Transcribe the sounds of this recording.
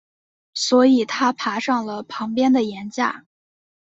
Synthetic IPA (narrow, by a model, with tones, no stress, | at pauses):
swɔ˧˥i˨˩t̪ʰa˥pʰa˧˥ʂɑ˥˩ŋlə˩pʰɑ˧˥ŋpjɛ˥nd̪ə˨jɛ˧˥nt͡ɕja̰˥˩